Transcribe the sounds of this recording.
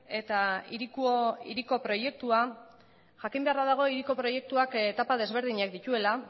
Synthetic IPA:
e̞t̪aiɾikuḭɾiko̞pɾo̞je̞k̚t̪ua | ʝakimbe̞aɾaðaɣ̞o̞iɾiko̞pɾo̞je̞k̚t̪uaket̪apaðe̞zβ̞e̞ɾðiɲakd̪it̪ue̞la

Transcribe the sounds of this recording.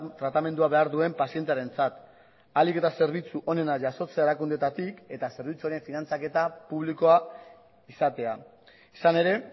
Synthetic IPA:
t̪ɾat̪ame̞nd̪uaβe̞aɾðue̞mpasie̞nt̪eaɾe̞nt͡sat̪ | alike̞t̪ase̞ɾβ̞it͡suʔo̞ne̞naʝaso̞t͡seaeɾakund̪e̞t̪at̪ike̞t̪ase̞ɾβ̞it͡suaɾe̞ɱfinant͡sake̞t̪apuβliko̞a | isat̪e̞a | isane̞ɾe̞

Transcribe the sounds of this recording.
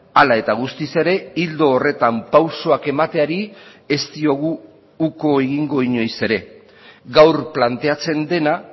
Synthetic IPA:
alae̞t̪aɣ̞ust̪ise̞ɾe̞ild̪o̞ːre̞t̪ampawso̞ake̞mat̪e̞aɾie̞st̪io̞ɣ̞uː | ko̞eɣiŋɡo̞iɲo̞jse̞ɾe̞ | ɣawɾplant̪e̞at͡se̞nd̪e̞na

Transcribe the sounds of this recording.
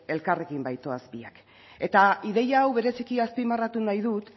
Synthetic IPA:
e̞lkare̞kimbajt̪o̞azpiak | e̞t̪aiðe̞jaːwβe̞ɾe̞sikiaspimarat̪unajðut̪

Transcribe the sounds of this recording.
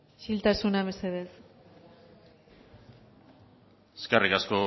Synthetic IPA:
ʃilt̪asunaβeseðes | eskarikasko

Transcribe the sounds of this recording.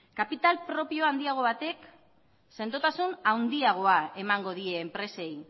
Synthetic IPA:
kapit̪alpɾo̞pio̞and̪iaɣ̞o̞βat̪e̞k | se̞nd̪ot̪asunawnd̪iaɣ̞o̞ae̞maŋɡo̞ð̞ie̞ːmpɾe̞se̞j

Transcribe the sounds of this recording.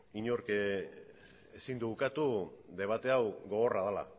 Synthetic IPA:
iɲoɾke | esind̪uβukat̪uðe̞β̞at̪e̞awɡo̞ɣo̞raðala̰

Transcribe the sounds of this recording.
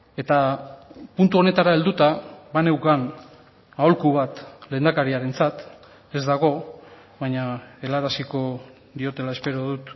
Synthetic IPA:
e̞t̪a | punt̪uo̞ne̞t̪aɾae̞ld̪ut̪aβane̞wkan | aolkuβat̪le̞ːnd̪akaɾiaɾe̞nt͡sat̪ | e̞zd̪aɣ̞o̞ | βaɲae̞laɾasiko̞ | ðio̞t̪e̞lae̞spe̞ɾoðut̪

